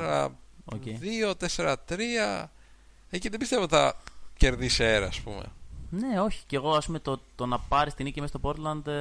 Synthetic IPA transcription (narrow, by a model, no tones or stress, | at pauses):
ɐ̰o̰cejðio̞t̪eseɾɐt̪ɾiɐ | eciðebist̪evotθɐ̰ce̞ɾðiseɾɐːspṵmḛne̞o̞çi̥ceɣo̞ɐspume̞t̪ot̪o̞nɐpɐɾist̪inicimest̪opo̞ɾt̪lɐnd̪